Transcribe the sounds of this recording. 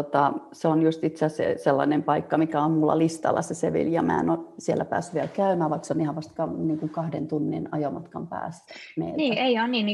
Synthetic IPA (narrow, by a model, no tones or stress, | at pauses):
ot̪ɑseonjust̪it̪sæsḛselːɑ̰nempɑikːɑmikæommulːɑ̰list̪ɑ̰lːɑ̰seseʋḭljɑmæ̰ḛnosiɛlːæpæ̰ːsːyʋʋielkæymæːʋʋɑiksonihæʋɑst̪kɑniːŋkuŋkɑhdḛnt̪unːḭnɑjomɑt̪kɑmpæ̰ːsmḛilniːæeionniːnn